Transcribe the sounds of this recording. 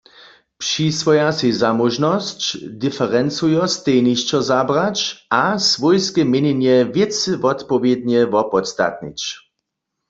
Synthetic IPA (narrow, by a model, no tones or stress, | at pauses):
pʂisʋɔjasizamɔʒnɔst͡ɕdifɛʁɛnsujɔst̪ejniʃt͡ʃɔzabʁat͡ʃasvɔjskɛmjeɲenjɛvjɪtsɨvɔt̪pɔvjed̪̚ɲɛvɔpɔt̪st̪a̰t̪̚nḭt͡ɕ